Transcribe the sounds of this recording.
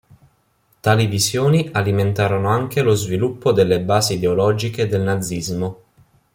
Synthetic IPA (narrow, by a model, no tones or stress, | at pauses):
t̪aːlivizjoːnialiment̪aːɾonoaŋkelozvilupːod̪elːebaːsiːd̪eolɔːd͡ʒiked̪elnad̪zːizmo